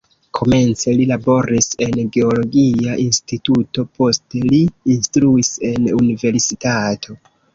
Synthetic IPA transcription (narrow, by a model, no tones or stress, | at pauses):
kʰo̞me̞nt͡se̞lilabo̞ɾise̞nɡe̞olo̞ɡiaʔinstituto̞po̞steliːnstɾuise̞nunive̞ɾsitatʰo̞